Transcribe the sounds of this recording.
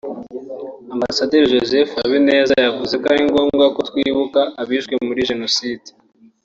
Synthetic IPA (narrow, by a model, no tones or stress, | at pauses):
ama̰sadeɾʒoze̞fa̰βine̞ːzajavuze̞kaɾiŋɡo̞ːmɡakotwiːβukaʔaːβiːʃkwemuɾiʒe̞nosiːd̥e